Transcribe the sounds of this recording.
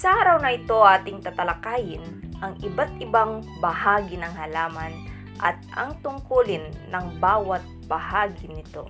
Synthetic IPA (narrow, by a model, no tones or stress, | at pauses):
sɐʔaːɾɐwnɐʔɪt̪o̞ʔaːt̪ɪŋt̪ɐt̪ɐlɐkaːjɪnʔɐŋʔɪbat̪̚ʔɪbaŋbɐhaːɡɪnɐŋhɐlaːmɐn | ʔɐ̰t̪̚ʔɐ̰ŋt̪ʊŋkuːlɪnːɐŋbaːwɐt̪̚bɐhaːɡɪnɪt̪o̞̰